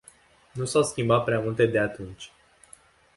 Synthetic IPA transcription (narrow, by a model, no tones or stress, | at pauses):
nusawskʲimbat̪̚pɾeamult̪e̞d̪e̞at̪unt͡ʃʲ